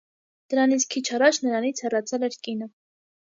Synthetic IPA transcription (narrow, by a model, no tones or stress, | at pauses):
d̪̥əɾɑnit͡sʰkʰit͡ʃʰɑrɑt͡ʃʰnəɾɑnit͡sʰhɛrɑt͡sʰɛlɛɾkinə